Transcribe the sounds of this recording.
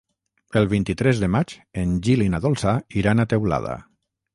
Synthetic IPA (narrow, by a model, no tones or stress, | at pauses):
əlˠβ̞int̪it̪ɾɛzðəmat͡ʃend͡ʒilinaðolˠsaiɾanat̪ewla̰ða̰